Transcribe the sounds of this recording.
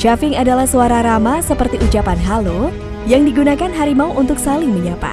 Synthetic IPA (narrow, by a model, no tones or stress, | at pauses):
ʃafɪŋadalahsuaɾaɾamasəpərt̪iʔut͡ʃapanɦalo | jaŋdiɡunakanɦaɾimauʔunt̪ʊksalɪŋməɲapa̰